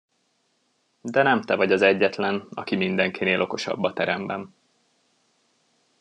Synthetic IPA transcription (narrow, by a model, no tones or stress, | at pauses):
d̪ɛnɛmt̪ɛvɒɟɒzɛɟːɛt̪lɛnɒ̰kimind̪ɛŋkineːlʔo̞ko̞ʃɒ̰bːɒt̪ɛɾɛmbɛm